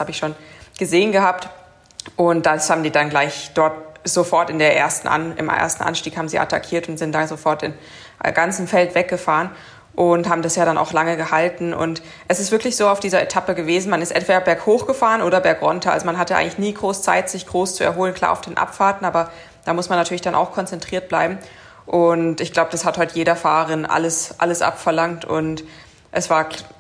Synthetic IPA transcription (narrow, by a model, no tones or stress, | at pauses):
haːbəɪçʃoːnɡ̥əzeːənɡəhaːp̚t | ʔʊnt̚d̥ashaːbm̩diːdanɡlaɪçd̥ɔɐt̚z̥ofɔɐtɪndeːɐʔḛːɐstn̩ʔa̰nʔɪ̰mʔḛːɐstn̩ʔa̰nʃtiːkhaːbm̩ziːʔa̰takʰiːɐtʊntz̥ɪnt̚d̥azofɔɐtɪ̰m | ɡant͡sn̩fɛltv̥ɛk̚ɡ̥əfaːʁən | ʔʊnthaːbm̩dasjaːɾanʔa̰ʊxlaŋəɡəhaltn̩ʔʊ̰nt | ʔɛsɪstv̥ɪɐklɪçz̥oːaʊfd̥iːzɐʔḛtʰapəɡəveːzn̩manɪstʔɛ̰ntv̥eːɾɐbɛɐkhoːxɡ̥əfaːʁənʔoːɾɐbɛɐkʁɔntɐa̰lzomanɦatəa̰ɪŋlɪçniːɡʁoːst͡sa̰ɪtz̥ɪçɡ̥ʁoːst͡suɛɐɦoːlənkʰl̥a̰ːɐaʊfd̥eːnʔa̰pfaːɐtn̩ʔaːbɐ | d̥aːmʊsmanːatʰyɐlɪçd̥anʔa̰ʊxkʰɔnt͡sɛntʁ̥iːɐt̚b̥la̰ɪbm̩ | ʔʊntɪçɡ̥laʊbəd̥ashathɔʏtjeːɾɐfaːʁɐʁɪnʔa̰ləsʔa̰ləsʔa̰pfɛɐlaŋktʊ̰nt | ʔɛsv̥aːɐ